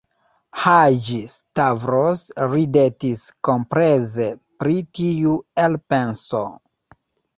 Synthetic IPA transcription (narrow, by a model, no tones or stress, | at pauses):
had͡ʒistavɾosɾidetiskompɾezepɾitiuelpe̞nso